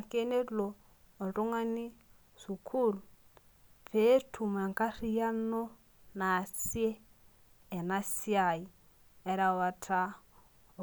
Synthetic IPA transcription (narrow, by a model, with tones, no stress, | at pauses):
a˨ke˦ne˦loː˨ | du˦ŋa˦ni˦ | su˨kʰu˦˨lu | pe˦tʰu˨m˨a˨ŋka˦ri˦ja˦no˦ | na˨si˦e˦ | ɛ˨na˦si˦a˨i˨ | ɛ˦ɾa˨wa˨tʰa˦˨